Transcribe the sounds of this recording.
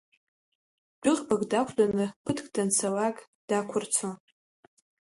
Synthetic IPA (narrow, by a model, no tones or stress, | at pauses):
bʼʊχbaɡʼdakʷʰdʼanɨpʰɨtʰʼkʼdant͡sʰawakʼ | d̥akʷʰʊrt͡sʰon